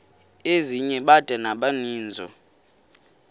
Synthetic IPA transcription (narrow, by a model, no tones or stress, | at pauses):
eziɲɛɓad̥ʱɛnaɓaniːnd͡zʱɔ̰